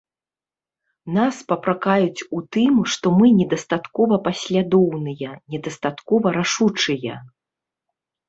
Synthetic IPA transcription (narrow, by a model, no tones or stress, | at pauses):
naspɐpɾakajut͡sʲut̪ɨmʂt̪ɔmɨnʲɛd̪ɐst̪at̪kɔvɐpɐsʲlʲad̪ɔwnɨjɐnʲɛd̪ɐst̪at̪kɔvɐɾaʂut͡ʂɨjɐ̰